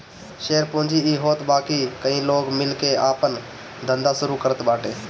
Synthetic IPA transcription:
ʃeːɾpʊ̃ːnd͡ʒiiɦoːt̪baːkikəĩloːɡmɪlkeaːpən | d̪ʱə̃nd̪asʊɾukəɾət̪baːʈʰeː

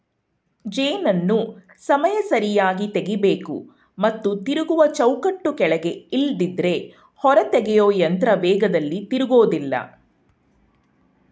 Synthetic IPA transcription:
d͡ʒeːnɐnːu | sɐmɐjɐsɐɾijaːɡit̪eɡibeːkṵ | mɐt̪ːut̪iɾuɡuʋɐt͡ʃɐwkɐʈːukɛɭɐɡe̞ild̪id̪ɾe̞ | hɔɾɐt̪ɛɡɛjoːjɐnt̪ɾɐʋɛːɡɐd̪ɐlːit̪iɾuɡo̞ːd̪ilːɐ̰

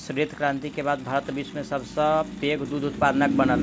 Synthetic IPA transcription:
sɾit̪kɾãnt̪ikebad̪̚bʱaɾət̪bismesəbʱsə̃t̪eɡd̪ud̪ut̪pad̪ənəkbənəl

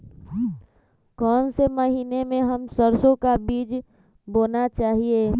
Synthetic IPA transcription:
kɔːnseməɦiːnemẽɦəmsəɾsõkabiːd͡ʒ | boːnat͡ʃaːɦieː

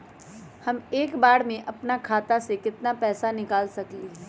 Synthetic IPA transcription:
hɐmeːkbaːɽmẽʔɐpnakʰaːt̪asekɪt̪napɛːsanɪkaːlsɐkleː

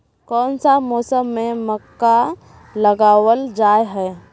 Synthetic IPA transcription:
kɔːnsamɔːsəmːẽməkːa | ləɡaːwəld͡ʒaːeɦɛː

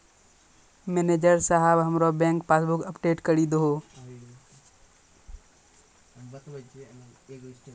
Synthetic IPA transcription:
mɛːned͡ʒəɾsaɦəbɦəmɾobɛ̃ːŋkpaːsbʊkəpɖeːʈkəɾid̪ɦoː

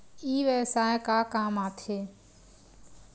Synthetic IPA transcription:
iːʋɛːsaːekaːkaːmaːt̪ʰeː

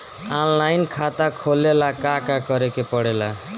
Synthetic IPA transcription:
anlajnkʰat̪akʰolelakakakʌɾekepʌɽela

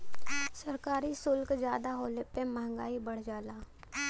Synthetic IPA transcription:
səɾkaːɾisʊlkd͡ʒjaːd̪aɦoːlepemaɦŋɡaːibəɽ̤d͡ʒaːlaː

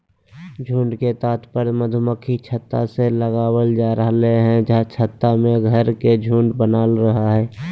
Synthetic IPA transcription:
d͡ʒʱũːɳɖket̪aːt̪pəɾməd̪ʱʊməkʰit͡ʃʰət̪ːaseləɡaːwəld͡ʒaːɾəɦleɦɛ̃d͡ʒat͡ʃʰət̪ːamẽɡʱəɾked͡ʒʱũːɳɖbənaːlɾəɦaɦɛː

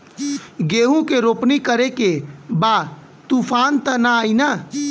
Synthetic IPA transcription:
ɡeːɦũkeɾoːpnikəɾekebaː | t̪uːpʰaːnt̪ɐnaːina

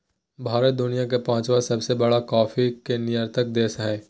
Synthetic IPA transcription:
bʱaːɾət̪̚d̪ʊnijak̬epãːt͡ʃʋasɐbsebɐɽakɔːfikenijəɾt̪ək̚d̪eːsɦɛ̃ː

